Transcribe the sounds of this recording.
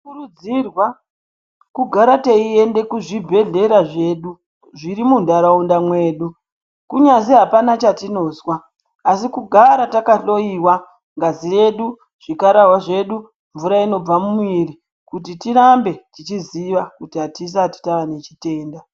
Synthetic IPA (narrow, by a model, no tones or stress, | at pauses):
kurud͡zirwa | kuɡʱaɾateie̞nde̞kuʐibʱe̞ɮe̞ɾaʐe̞ːɗu | ʐiɾimundaɾaundamwe̞ːɗu | kuɲaziɦapanat͡ʃatino̞ːzwaː | sikuɡʱaɾatakaɬo̞iwa | ŋɡazire̞ɗu | ʐ̥ikaɾaɦwaʐe̞ɗu | ɱvuɾaino̞b͡vamumuiri | kutitiɾambe̞tit͡ʃiziʋakutiɦatis̬ati̥taʋane̞t͡ʃi̥te̞ːnda